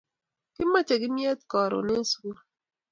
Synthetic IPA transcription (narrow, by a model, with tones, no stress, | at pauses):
kɪ˦ma˦t͡ʃe˨ɡɪ˦mje˦t̪̚kɔ˨ɾo̰˨ne˦swu˦